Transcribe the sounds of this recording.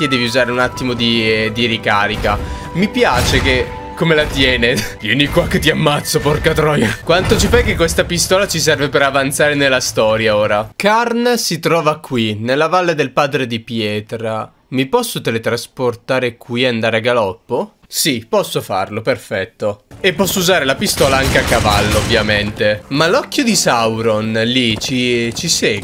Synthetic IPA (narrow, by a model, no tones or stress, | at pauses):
kid̪ɛːviuzaːɾeunat̪ːimod̪id̪iɾikaːɾika | mipjaːt͡ʃeke | kːomelat̪jɛːnevjɛnikwakːet̪ːiamːat̪sːoporkat̪ɾɔjokwant̪ot͡ʃifajkːekːwest̪apist̪ɔːlat͡ʃis̬ɛrvepeɾavant̪saːɾenelːast̪ɔːɾjaoːɾakarnsit̪ɾɔːvakːwinelːavalːed̪elpaːd̪ɾed̪ipjɛːt̪ɾa | mipɔsːot̪elet̪ɾasport̪aːɾekwiand̪aːɾeaɡalɔpːo | sipɔsːofa̰rloperfɛt̪ːoepːɔsːouzaːɾelapist̪ɔːlaaŋkeakːava̰lːoovːjament̪emalɔkːjod̪isawɾonlit͡ʃit͡ʃiseː